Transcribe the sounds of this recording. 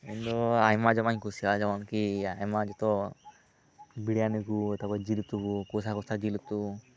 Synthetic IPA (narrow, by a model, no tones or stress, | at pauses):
ind̪ɔajmad͡ʒɔmaɲkusiad͡ʒawankiajmad͡ʒɔt̪ɔ | biɽijanikuet̪abɔd͡ʒilit̪ukukos̬akɔst̪ʰad͡ʒilut̪u